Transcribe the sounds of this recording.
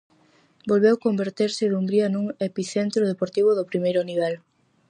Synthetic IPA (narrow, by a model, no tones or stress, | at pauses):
bolβewkombeɾt̪eɾsɪðumbɾiɐnuŋepiθent̪ɾoðepoɾt̪iβ̞ʊðopɾimejɾʊniβ̞ɛl